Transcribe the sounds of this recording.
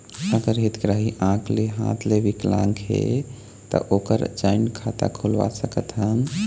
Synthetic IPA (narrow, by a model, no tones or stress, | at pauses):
əɡəɾɦit̪ɡɾəɦiʔãkleɦã̰t̪ʰlebiklãŋkɦḛ | t̪ə̰ʔokəɾd͡ʒaɪnkʰat̪a̰kʰulʋa̰səkət̪ɦən